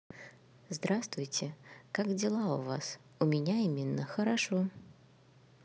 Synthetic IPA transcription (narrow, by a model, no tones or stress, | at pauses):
zd̪ɾast̪vʊjtʲɪkakdʲɪlˠaʊvas | ʊmʲɪnʲaimʲɪnːəxəɾaʂo